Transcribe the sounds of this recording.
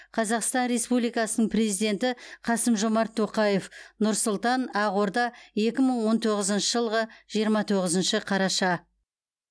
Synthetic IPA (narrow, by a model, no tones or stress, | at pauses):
qʰɑzɑqst̪ɑnɾe̞spublijkɑsənəɴpre̞zijd̪e̞nt̪ɪqʰɑsəmʒo̞mɑɾt̪ʰːo̞qɑje̞fnʊɾsʊlˠt̪ɑnɑʁoɾd̪ɑje̞kʲɪməɴwo̞nt̪ʰoʁəzənʃəʒəlˠʁəʒ̥ijəɾmɑt̪ʰoʁəzənʃɪqʰɑɾɑʃɑ